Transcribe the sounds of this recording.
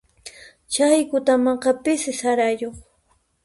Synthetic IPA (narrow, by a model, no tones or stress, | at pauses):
t͡ʃajkʊt̪amɑɴqɑpɪsɪsaɾajoχ